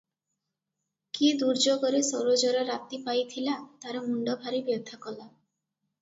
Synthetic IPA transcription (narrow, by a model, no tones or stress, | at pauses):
kid̪uɾd͡ʒoɡɔɾesowɾod͡ʒɔɾɔɾat̪ipajt̪ʰilat̪aɾɔmuɳɖɔbʱaɾibjɔd̪ʱakɔla